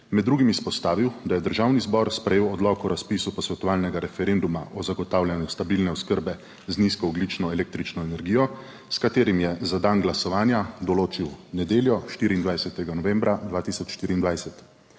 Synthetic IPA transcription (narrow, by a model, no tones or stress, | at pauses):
mɛd̪ːɾuːɡimispɔst̪aːʋiwd̪ajɛd̪əɾʒawnizbɔɾspɾɛjeːwɔd̪lɔkɔɾaspiːsupɔsʋɛt̪ɔʋaːlnɛɡaɾɛfɛɾend̪umaʔɔzaɡɔt̪aːwljanjust̪abiːlnɛɔskəɾbɛ | zniskɔɔɡlit͡ʃnɔɛlek̚t̪ɾit͡ʃnɔɛnɛɾɡiːjɔ | skat̪eːɾimjɛzad̪anɡlasɔʋaːnjad̪ɔloːt͡ʃiwnɛd̪eːljɔʃt̪iːɾiːnd̪ʋajsɛt̪ɛɡanɔʋɛ̃mbɾad̪ʋaːt̪isɔt͡ʃʃt̪iːɾiːnd̪ʋajsɛt̪